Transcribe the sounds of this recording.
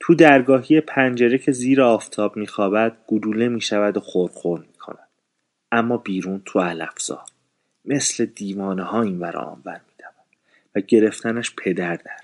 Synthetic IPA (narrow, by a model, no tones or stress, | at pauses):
t̪ʰud̪æɾɡɒːɦiːjepʰænd͡ʒeɾe̞cʰe̞ziːɾeɒːft̪ʰɒːbmiːxɒːbæd̪̥̚ɡ̥ud̪uːle̞miːʃævæd̪oxoɾxoɾnmiːkʰo̰næd̪̥ | æmːɒːbiːɾuːnt̪ʰuælæfz̥ɒ̰ːɾ | me̞sle̞d̪iːvɒːnehɒːiːnvæɾo̰ɒ̰ːmvæɾmiːd̪̥ævænd̪̥ | væɟe̞ɾe̞ft̪ʰænæʃpʰe̞d̪æɾd̪æɾ